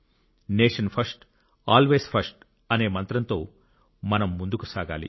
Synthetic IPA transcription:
neːʂɐnpʰɐɾsʈ | aːlʋe̞ːspʰɐsʈ | ɐne̞ːmɐnt̪ɾɐnt̪o̞ː | mɐnɐmːund̪ukusaːɡa̰ːlḭ

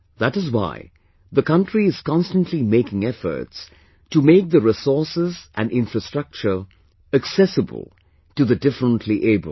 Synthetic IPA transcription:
ðæɾɨzwa̰ɪ | ðəkʌ̃ntɹ̥iɨz̥kɑ̃nstə̃ntʰlimeɪkɪ̃ŋɛfə̰˞ts | tɨmeɪk̚ðəɹɪsɔɹsɪzʔæ̃nɖɪ̃nfɹɨstɹ̥ʌk̚t͡ʃə˞ | ɨksɛsəbə̰l̩ˠ | tɨðɨdɪfɹə̃ntʰˡliʔeɪbə̰l

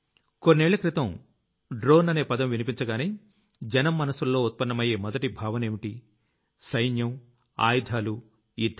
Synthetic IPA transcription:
konːɛːɭːɐkɾit̪ɐm | ɖɾo̞ːnɐne̞ːpɐd̪ɐmʋinipiɲt͡ʃɐɡaːneː | d͡ʒɐnɐmːɐnɐsulːo̞ːut̪̚pɐnːɐmɐje̞ːmɔd̪ɐʈibʱaːʋɐne̞ːʋiʈi | sɐjnjɐm | a̰ːjd̪ʱaːlu | iɾd̪ʱ

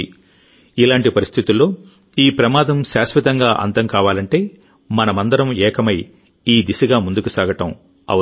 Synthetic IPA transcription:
ilaːɳʈipɐɾist̪ʰit̪ulːo̞ː | iːpɾɐmaːd̪ɐmʃaːsʋit̪ɐŋɡaːʔɐ̰nt̪ɐmkaːʋaːlɐɳʈe̞ː | mɐnɐmɐnd̪ɐɾɐmɛːkʰɐmɐj | iːd̪isiɡaːmund̪ukusaːɡɐʈɐm | ɐ̰ɐ

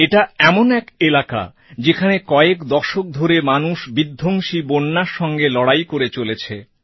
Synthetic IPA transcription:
eʈaɛmonɛkelaka̰ | d͡ʑekʰanekɔekd̪ɔʃok̚d̪ʱoɾemanuʃbid̪ʱːoŋʃibonːaɾʃɔŋɡelɔɽajkoɾet͡ɕolet͡ɕʰe

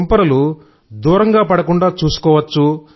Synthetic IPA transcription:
mpɐɾɐlu | d̪uːɾɐŋɡaːpɐɽɐkuɳɖaːt͡ʃuːsu̥kɔːʋɐt͡ʃːu

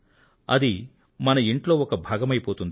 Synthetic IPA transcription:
ɐ̰d̪i | mɐnɐiɳʈlo̞ːɔkɐbʱaːɡɐmɐjpoːt̪und̪i

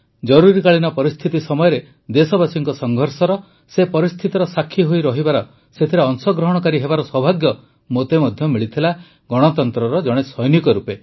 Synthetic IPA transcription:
d͡ʒɔɾuɾikaɭinɔpɔɾist̪ʰit̪isɔmɔjɔɾe | d̪esɔbasiŋkɔsɔŋɡʱɔɾsɔɾɔ | sepɔɾist̪ʰit̪ɔɾɔsakʰːiɦojɾɔɦibaɾɔ | set̪ʰiɾeɔŋsɔɡɾɔɦɔɽ̃ɔkaɾiɦebaɾɔswɔbʱaɡjɔ | mot̪emɔd̪ʱjɔmiɭit̪ʰila | ɡɔɽ̃ɔt̪ɔnt̪ɾɔɾɔd͡ʒɔɽ̃esɔjnikɔɾupe

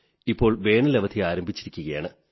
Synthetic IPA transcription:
ipːo̞ːɭʋe̞ːɳɨleʋɐd̪ʰʱiaːɾɐmbʱit͡ɕːiɾikʲːuɣɐjaːɳɨ

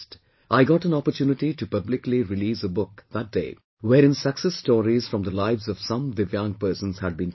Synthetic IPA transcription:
t | ʔaɪɡɔʈə̃nɔpəɾtʰjunɪʈiʈupʌblɪkliɹɪliːzəbʊk̚ðæt̚d̥eɪ | wɛɾɪ̃nsəksɛsːtɔːɾiz̥fɹʌ̃md̪əlaɪvzɔʋ̥sʌ̃md̪ɨvjʌ̃ŋpɜ˞sə̃nz̥hæd̚bĩːn

